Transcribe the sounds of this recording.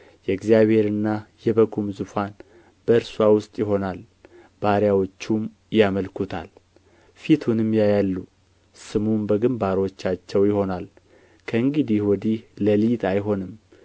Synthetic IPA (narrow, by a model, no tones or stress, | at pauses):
jɛɨɡzijaβhe̞ɾɨnːajɛβəkʰumzufan | b̥əɨɾswawʊst̪ʼjɪɦo̞nal | b̥aɾjawot͡ʃːum | jaməlkʰut̪ʰa̰l | fit̪ʰunɨmjajalːu | sɨmumbəɡɨmbaɾwot͡ʃːat͡ʃːɛwjɪho̞nal | kʰəɨŋɡɨd̪ihwɔd̪ihləlijt̪ʰajɦo̞nɨm